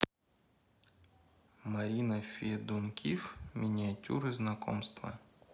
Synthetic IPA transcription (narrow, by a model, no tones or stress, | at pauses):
mɐɾʲinɐfʲid̪unkʲʰifmʲɪnʲɪatʲṵɾɨznɐkɔ̰mst̪vɐ̰